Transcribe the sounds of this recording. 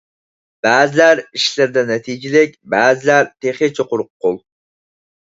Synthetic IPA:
b̥æːzɪlæɾiʃlɪɾd̪ɛnɛt̪ʰid͡ʒɪlɪk̚ʲbæːzɪlæɾt̪ʰeχet͡ʃʰoqʊɾʊqːʊlˠ

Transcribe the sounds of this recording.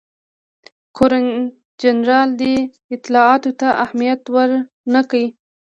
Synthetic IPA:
kʰoɾa | d͡ʒanɾɑld̪e | ɪt̪ɪlɑɑt̪ot̪aʔahmijat̪wəɾ | nakawi

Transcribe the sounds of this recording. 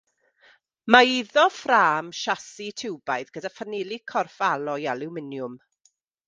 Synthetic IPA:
maiðɔfraːmʃasitʰɪwbajðɡ̥ədafanɪlˠikʰɔrfalˠɔjalˠɪwmɪnjʊm

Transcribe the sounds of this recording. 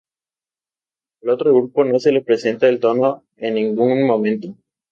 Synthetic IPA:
alot̪ɾoɣɾupono̞selepɾe̞se̞nt̪aelt̪o̞no | enːĩŋɡuŋmõmẽnt̪o

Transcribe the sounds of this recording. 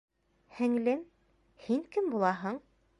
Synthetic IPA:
hɘ̆ŋlɘm | hiŋkɘmbulˠɑɦɤɴ

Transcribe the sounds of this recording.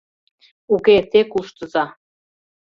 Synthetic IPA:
uket̪ekuʃt̪ə̆zɑ

